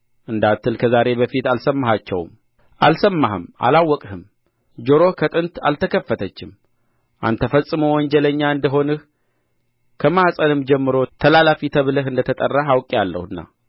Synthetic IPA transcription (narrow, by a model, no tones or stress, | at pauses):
ʔɨnd̪at̪ʰːɨlkʰəzaɾe̞bəfit̪alsəmːaɦat͡ʃːɛ̰w̰m | ʔalsəmːaɦɨma̰lawːɔkʼhɨm | d͡ʒoɾo̞kʰət̪ʼɨnt̪a̰lt̪ʰəkʰəfːət̪ʰət͡ʃːɪm | ʔa̰nt̪ʰːəfəsʼɨmowɔɲd͡ʒɛləɲːaɨnd̪əɦo̞nɨh | kʰəmahsʼənɨmd͡ʒɛmːɨɾo̞t̪ʰəlalafit̪ʰəβləɦɨnd̪ət̪ʰət̪ʼərːaɦawkʼijalːə̰hɨnːa̰